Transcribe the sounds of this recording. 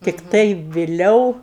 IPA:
tʲɪkˈtɐɪ ʋʲɪˈlʲɛʊ

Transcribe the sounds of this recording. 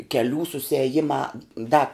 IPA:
kʲɛˈlʲuː sʊsʲɛˈjɪmɐ ˈdɐ

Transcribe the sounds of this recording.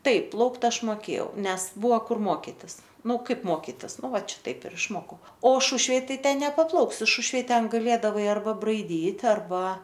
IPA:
ˈtɐɪp ˈplˠɐʊkt ˈɐʃ moːˈkʲeːjɛʊ ˈnʲɛs ˈbʊʋoː ˈkʊr ˈmoːkʲɪtʲɪs ˈnʊ ˈkɐɪp ˈmoːkʲɪtʲɪs ˈnʊ ˈʋɐt ˈʃʲɪtɐɪp ɪr ɪʃˈmoːkɐʊ oː ˈʃʊʃʲʋʲeːj ˈtɐɪ ˈtʲɛn nʲɛpɐˈplˠɐʊksʲɪ ˈʃʊʃʲʋʲeːj ˈtʲɛn ɡɐˈlʲeːdɐʋɐɪ ɐrˈbɐ brɐɪˈdʲiːtʲ ɐrˈbɐ

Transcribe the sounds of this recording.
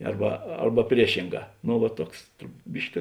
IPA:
ˈɐrbɐ ˈɐrbɐ pʲrʲiɛˈʃʲɪŋˌɡɑː ˈnʊ ʋɐ ˈtuɔks ˈbʲɪʃʲkʲɪ

